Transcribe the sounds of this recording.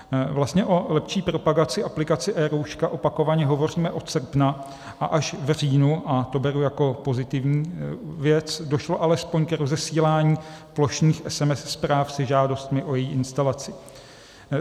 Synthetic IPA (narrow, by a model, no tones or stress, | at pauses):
vlast̪ɲɛʔo̞lɛpʃiːpɾo̞paɡat͡sɪʔaplɪkat͡sɪʔɛːɾowʃkaʔo̞pako̞vaɲɛɦo̞vo̞r̝iːmɛʔo̞t̪sr̩pna | ʔaʔaʃvr̝iːnuʔat̪o̞bɛɾujako̞po̞zɪt̪ɪvɲiːvjɛt͡sdo̞ʃlo̞ʔalɛspo̞ɲkɾozɛsiːlaːɲiːplo̞ʃɲiːxʔɛsɛmɛsspɾaːfsɛʒaːdo̞st̪mɪʔo̞jɛjiːʔɪnst̪alat͡sɪ